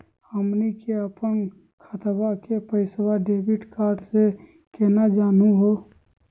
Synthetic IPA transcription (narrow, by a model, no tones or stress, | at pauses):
həmnikeəpən | kʰət̪bakepəɪswaɖeːbiʈkaːɾɖse | kenad͡ʒaːnuɦo